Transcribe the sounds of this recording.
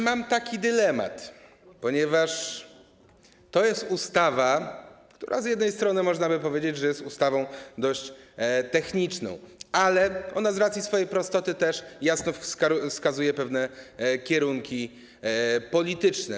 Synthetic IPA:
mamt̪akʲid̪ɘlɛma̰t̪ | pɔɲɛvaʂ | t̪ɔjɛst̪ust̪avakt̪uɾʔa̰zjɛd̪nɛjst̪ɾɔnɘmɔʐnabɘpɔvʲjed͡ʑed͡ʑʐɛjɛst̪ust̪avɔ̃w̃d̪ɔɕt͡ɕt̪ɛxɲit͡ʂnɔ̰̃w̃ʔalɛɔnazɾat̪sʲisfɔjejpɾɔst̪ɔt̪ɘt̪ɛʂjasnɔfskaufskazujɛpɛvnɛkʲɛɾuŋkʲi | pɔlʲit̪ɘt͡ʂnɛ

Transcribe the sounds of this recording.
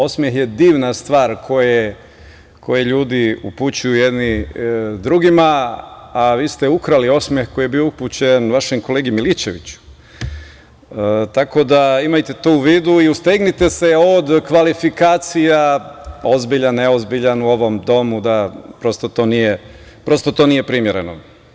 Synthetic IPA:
o̞smje̞xje̞d̪iːʋnast̪ʋaːɾkʰo̞je | kʰo̞jeʎuːd̪iṵput͡ɕujujed̪ni | d̪ɾuɡimaː | ʋiːst̪eukɾalio̞smjexko̞jijebiouput͡ɕenʋaʃemko̞leːɡimilit͡ɕe̞ʋit͡ɕu̥ | t̪ako̞d̪aimajt̪e̞t̪ouʋiːd̪uiust̪eɡnit̪e̞se̞od̪kʋalifikaːt̪sijao̞zbiʎanːeozbiʎanuo̞ʋo̞md̪o̞mud̪apɾo̞st̪o̞t̪o̞ːnije | pɾo̞st̪o̞t̪o̞ːnije̞pɾimjeɾeno̰

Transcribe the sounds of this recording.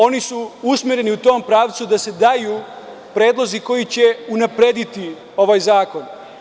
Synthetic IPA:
o̞nisuusmeɾeniut̪o̞ːmpɾaːʋt̪sud̪ase̞d̪ajuː | pɾe̞ːd̪lˠo̞ziko̞jit͡ɕe̞unapɾe̞d̪it̪i | o̞ʋajzaːko̞n

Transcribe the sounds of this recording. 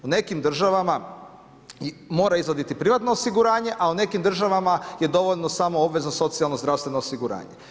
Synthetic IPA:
une̞kimd̪r̩ʒaʋama | mo̞ːɾaizʋod̪it̪ipɾiʋat̪no̞ːsiɡuɾaːɲe̞ʔaune̞kimd̪r̩ʒaʋamaje̞d̪o̞ʋoʎnosaːmoobʋe̞znoso̞t̪sijalˠnozd̪ɾaʋst̪ʋe̞noːsiɡuɾa̰ːɲe

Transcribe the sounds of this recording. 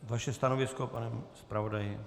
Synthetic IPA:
vaʃɛst̪anovɪskopanɛmspɾavodajɪ

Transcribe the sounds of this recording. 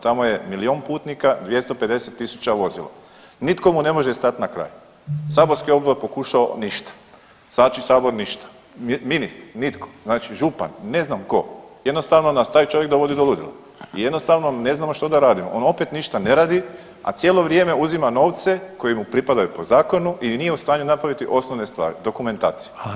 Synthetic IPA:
t̪amoje̞milio̞ːnpuːt̪nikad̪ʋje̞st̪ope̞d̪e̞set̪ːisu̥t͡ɕaʋo̞zḭlˠa̰ | nit̪ko̞mune̞mo̞ʒest̪at̪nakɾa̰ːju | saːbo̞ɾskio̞bloɾpo̞kuʃaoniʃt̪ḁ | zaːt͡ʃisaːbo̞ɾniʃt̪ḁ | minist̪ɾnit̪ko̥znaːt͡ʃiʒupa̰nːe̞znamko̞̰je̞d̪no̞st̪aːʋnonast̪aːjt͡ʃo̞ʋjek̚d̪o̞ʋo̞d̪id̪olˠud̪ḭla̰ | ḭje̞d̪nost̪aːʋnone̞znaːmoʃt̪od̪aɾaːd̪imoʔo̞no̞pet̪niʃt̪aneɾaːd̪i | a̰t̪sʲjelˠo̞ʋɾje̞me̞uzimano̞ːʋt̪se̞ko̞jimupɾipad̪ajupo̞zaːko̞nuʔinije̞ust̪aːɲunapɾaʋit̪iʔo̞sno̞ʋne̞st̪ʋa̰ːɾḭd̪o̞kume̞nt̪a̰ːt̪sije

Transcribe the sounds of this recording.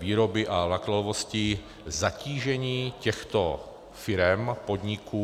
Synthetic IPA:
viːɾobɪʔavlaklɛlovoscɪ | zaciːʒɛɲiːcɛxt̪o | fɪɾɛmpod̪ɲɪkʰuː

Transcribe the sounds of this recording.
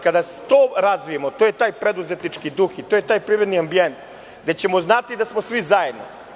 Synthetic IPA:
kad̪ase̥t̪oːɾazʋijemot̪oːjet̪aːjpɾe̞d̪uze̞t̪nit͡ʂkid̪uxit̪ojet̪aːjpɾiɾed̪niambije̞nt̪ | ɡd̪et͡ɕe̞mo̞znat̪id̪asmosʋizajed̪no̰

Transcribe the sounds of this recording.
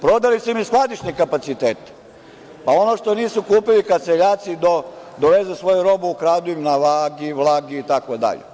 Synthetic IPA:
pɾo̞d̪alisumisklad̪it͡ʃnikapat̪sit̪eːt̪i̥ | pao̞noʃt̪o̞niːsukuːpilikat̪seʎaːt̪sid̪o | d̪oʋezesʋo̞juɾo̞buːkɾaːd̪uimnaʋaːɡiʋlˠaːɡiːt̪akod̪a̰ʎḛ

